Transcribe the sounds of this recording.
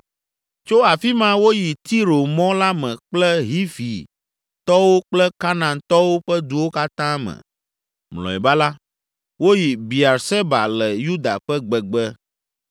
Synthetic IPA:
t͡ʃo˦a˨fi˦mã˦wo˦ji˨t̪i˦ɾo˨mɔ̃˦la˦mɛ̃˨k͡plɛ˦ɦi˦fi˨ | t̪ɔ˦wo˦k͡plɛ˦ka˦nã˨nt̪ɔ˦wo˦ɸɛ˦d̪u˨wo˦ka˦t̪ã˦mɛ̰̃˨ | mlɔ̰̃˨ɛ̰˨ba˦la˦ | wo˦ji˨bi˨a˨ɾsɛ˦ba̰˨lɛ˨ju˦d̪a̰˨ɸɛ˦ɡ͡bɛ˨ɡ͡bɛ˦

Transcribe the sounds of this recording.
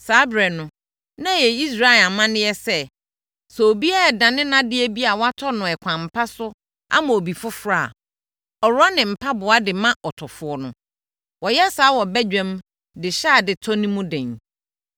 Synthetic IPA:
saː˨˦bɾɛ˨nʊ̃˨ | nã˦˨jɛ˨i˦s̬ɾa˦ɪ˨a˨mã˦nɪ̃˦jɛ˦sɛ˦˨ | sɛ˨o˨bi˦a˦a˨dã˨nɪ̃˦nã˦dɪ˦ɛ˦bi˦a˨wa˦tʰɔ˦nʊ̃˨ɛ˨kʷʰã˨m̩˨pʰa˦sʊ˦ | a̰˦mã˨o˨bi˨fʊ˦fɾa̰˦˨ | ɔ˨ɾʊ˦a˦nɪ̃˨m̩˨pʰa˦bʊ˨a˦dɪ˨mã˦ʔɔ˨tʰɔ˨fʊ˨ɔ˨nʊ̰̃˨ | wɔ˨jɛ˦saː˨˦wɔ˨bɛ˦d͡ʑᶣɛ̃˦m | dɪ˨ɕa˦˨dɪ˨tʰɔ˦nĩ˦mʊ̃˦dɛ̃˨ɲ

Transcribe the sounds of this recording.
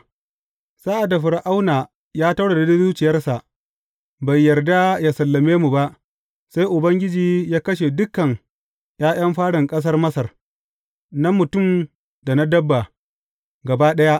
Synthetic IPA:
saː˦ʔa˨dːa˨ɸɪ˨ɾʔa˦wnaː˨ | jaː˦tɐ˦ɽe˨da˨dʊ˦zuː˦t͡ʃɪ˨jɐ˦rsa˨ʔ | ba˨jːɐ˨rda˦jaː˨sɐ˨lːɐ˨meː˦mu˨ba˦ʔ | sa˦jʔʊ˨bɐ˦ŋɡʲɪ˦d͡ʒiː˨jaː˦kɐ˦ʃ̬e˨dʊ˦kːɐ˨ŋ | j̰aː˦j̰ɐ˦mɸaː˦ɽɪ˨ŋkʼɐ˦s̬ɐ˦rmɐ˦sɐ˨r | na˦mʊ˨tʊ˦˨m | da˨na˦dɐ˦bːa˨ | ɡɐ˨ba˦ɗɐ˦ja˦ʔ

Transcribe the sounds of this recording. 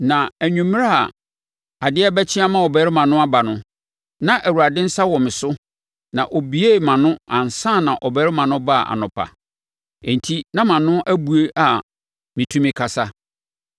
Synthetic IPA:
nã˨æ˨ɲᶣũ˨m̃˦a˦a̰˨ | a˨dɪ˦ɛ˦bæ˦t͡ɕʰɪ˦a˦mã˦ɔ˨bɛ˨ɾɪ˦mã˨nʊ̃˦a˦ba˨nʊ̃˦ | nã˨ʔæ˨wu˨a˨dɪ̃˦n̩˦sa˦wɔ˨mɪ̃˨sʊ˦ | nã˨ʔɔ˨bi˨˦e˦˨mã˨nʊ̃˦ã˨n̩˨sã˦˨nã˨ʔɔ˨bɛ˨˦ɾɪ˦mã˨nʊ̃˦ba̰˦˨a̰˨nʊ̰̃˨pʰa̰˨ | ɛ̃˨n̩˨tʰi˦nã˦mã˨nʊ̃˦ʔæ˦bu˨e˦ʔa˨ | mɪ̃˨tʰũ˦mɪ̃˦kʰa˨sa˦

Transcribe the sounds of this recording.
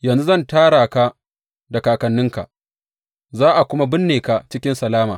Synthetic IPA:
jɐ˨nzu˦zɐ˦ntaː˦ɽaː˨ka˦ | da˨kaː˨kɐ˨nːɪ˦ŋka̰˨ʔ | zaː˦ʔa˨kʷʊ˦ma˦bɪ˦nːeː˨ka˨t͡ʃɪ˦kʲɪ˦nsɐ˨laː˦ma̰ː˨

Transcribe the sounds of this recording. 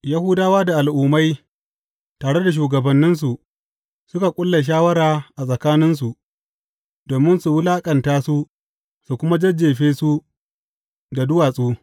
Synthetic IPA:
ja˦hʊ˦daː˦waː˦da˨ʔa˨lʔuː˨˦ma˦j | taː˨ɽe˦da˨ʃ̬uː˨ɡɐ˨bɐ˨nːɪ˦ns̬u˨ʔ | sʊ˦ka˨kʷʼʊ˦lːa˨ʃ̬aː˦wɐ˦ɾaː˨ʔa˨sʼɐ˨kaː˦nɪ˦ns̬u˨ʔ | doː˨mɪ˦nsu˨wʊ˦laː˦kʼɐ˨ntaː˦su˦ | su˨kʷʊ˦ma˦d͡ʒɐ˦d͡ʒːeː˨ɸeː˦su˦ | da˨dʊ˦waː˨sʼuː˦

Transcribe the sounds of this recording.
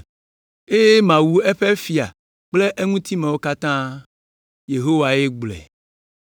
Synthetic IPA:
e˦je˦mã˨wu˨e˦ɸe˦fi˨a˨ | k͡ple˦ʔe˦ŋũ˦t̪i˦mẽ˨wo˦ka˦t̪ã˦ | je˨ɦo˦wa˨je˦ɡ͡blɛ̰˨

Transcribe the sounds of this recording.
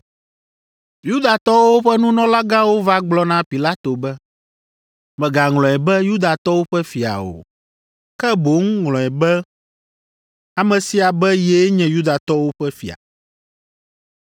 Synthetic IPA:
ju˦d̪a˨t̪ɔ˦wo˦ɸɛ˦nũ˦nɔ̃˦la˦ɡã˦wo˦va˦ɡ͡blɔ˦nã˦pi˨la˦t̪o˨bɛ˦ | mɛ̃˨ɡa˨ŋlɔ̃˨ɛ˨bɛ˦ju˦d̪a˨t̪ɔ˦wo˦ɸɛ˦fi˨a̰˨o̰˨ | kɛ˦bo˨˦ŋ˦ŋlɔ̃˨ɛ˨bɛ˦ | a˨mɛ̃˨si˦a˨bɛ˦jɛ˦ɲɛ̃˨˦ju˦d̪a˨t̪ɔ˦wo˦ɸɛ˦fḭ˨a̰˨

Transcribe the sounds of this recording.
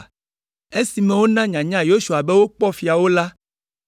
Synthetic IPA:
e˦si˨mẽ˦wo˦nã˦ɲã˨ɲã˦jo˦ʃu˨a˨be˦wo˦k͡pɔ˦fi˨a˨wo˦la˦

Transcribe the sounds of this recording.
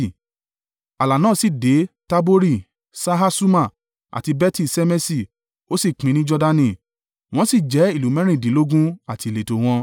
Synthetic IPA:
a˨la˨nãː˦˨si˨de˨˦ta˦bo˦ɾi˦˨ | sa˦ɦa˦su˦ma˦˨ | a̰˨ti˧bɛ˦ti˦˨sɛ˦mɛ˦si˦˨ | o˦si˦˨k͡pĩ˨˦nĩ˦d͡ʒɔ˧da˧nĩ˦˨ | w̃ɔ̃˦si˦˨d͡ʒɛ˨˦i˦˨lu˨˦mɛ̃˨˦ɾ̃ĩ˦˨di˨˦lo˦ɡũ˦a˦˨ti˧˨le˨to˨w̃ɔ̃˧

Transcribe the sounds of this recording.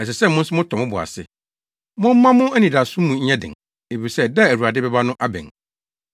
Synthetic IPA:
ɛ˨s̬ɛ˨sɛ˦˨mʊ̃˦n̩˦sʊ˦mʊ̃˦tʰɔ̃˨mʊ̃˦bʊ˨a̰˨sɪ̰˦ | mʊ̃˦m̩˦mã˦mʊ̃˦æ˦nĩ˨da˨sʊ̃˦mũ˨ɲ̩˦ɲɛ̃˦dɪ̰̃˨ŋ | e˨fi˨ɾi˨sɛ˦dɛ˦˨æ˨wu˨a˨dɪ˦bɛ˦ba˦nʊ̃˦ʔa˦bɛ̰̃˨ŋ

